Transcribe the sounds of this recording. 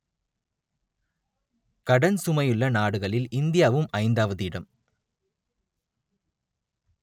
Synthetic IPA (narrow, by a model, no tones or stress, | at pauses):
kɐɽɐnsʊmɐjɯɭːɐnaːɽɯɣɐɭɪlɪnd̪ɪjaːʋɯmɐɪnd̪aːʋɐðɯɪɽɐm